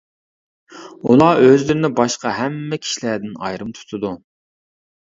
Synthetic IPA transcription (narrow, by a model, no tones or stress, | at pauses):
ulˠɑʔøzlɪɾɪnɪbɑʃqɑɦɛmːɛkʲʰi̥ʃilæd̪ɪnɑ̰jɾɨmt̪ʰu̥t̪ʰʊd̪u